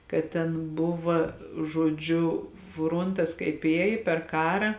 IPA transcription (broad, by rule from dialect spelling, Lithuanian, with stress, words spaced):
kɐt ˈtʲɛn ˈbʊʋɐ ʒoːˈd͡ʒʲʊ ˈfroːntɐs kɐɪp ˈeːj pʲɛr ˈkɑːrɐ